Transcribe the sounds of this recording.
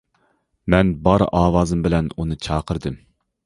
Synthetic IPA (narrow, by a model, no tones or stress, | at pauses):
mɛnbɑɾɑːwɑːzɨmbɪlɛnunɨt͡ʃʰɑːqʰəɾd̪ɨm